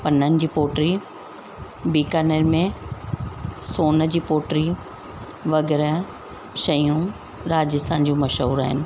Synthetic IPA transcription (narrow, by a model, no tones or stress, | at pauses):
pɐnənɪ̆d͡ʑiːpoːʈɾi | biːkənəɾmẽ | soːnəd͡ʑiːpoːʈɾi | ʋɐɡɛːɾə | ʃɐjũ | ɾaːd͡ʑɪst̪ʰãːnd͡ʑoːmɐʃɦuːɾaːɦɪ̰nɪ̆